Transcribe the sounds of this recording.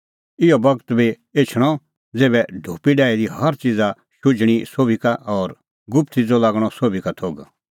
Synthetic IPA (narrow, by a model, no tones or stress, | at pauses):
ɪjɔbɐɡət̪bʱi | et͡ʃʰɽ̃ɔ | d͡zeːβɛɖʱoːpiɖaːid̪ihɐɾt͡sid͡za | ʃʊd͡ʒɽ̃isoːbikaʔɔːɾ | ɡʊpt̪id͡zɔlaːɡɽ̃ɔsoːbikat̪ʰoːɡ